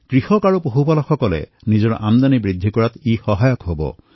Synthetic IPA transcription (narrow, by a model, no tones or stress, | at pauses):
kɹihɔkaɹupoɦubalɔkʰɔkɔlḛnid͡ʒɔɹ̰ʔamd̪anibɹid̪ʱːikɔɹat̪ixɔɦajɔkɦobɔ̰